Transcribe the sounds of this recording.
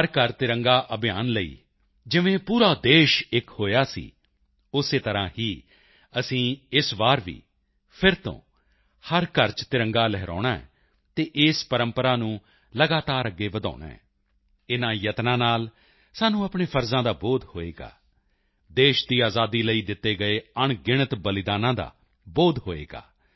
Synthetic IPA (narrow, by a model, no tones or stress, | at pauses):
əɾkəɾt̪ɪɾə̃ŋɡaːʔəbɪjaːnləḭː | d͡ʒɪʋẽːpuːɾaːd̪eːʃɪkhoːjaːsḭː | ʊseːt̪əɾãːhiː | əsĩːɪsʋaːɾʋḭː | pʰɪɾt̪õ̰ː | həɾkəɾt͡ʃt̪ɪɾəŋɡaːlɛɦɾa̰ːnaːɛ̰ː | t̪eːʔɪspəɾə̃mpəɾaːnũː | ləɡaːt̪aːɾəɡːeːʋəd̪a̰ːɳa̰ːɦɛ̰ː | ɪnãːjət̪nãːnaːl | saːnũːapɳeːpʰəɾzãːd̪aːboːd̪hoːḛːɡa̰ː | d̪eːʃd̪iːaːzaːd̪iːləiːd̪ɪt̪ːeːɡəeːəɳɡɪɳ̃ət̪bəlɪd̪aːnãːd̪a̰ː | boːd̪ɦoːḛːɡa̰ː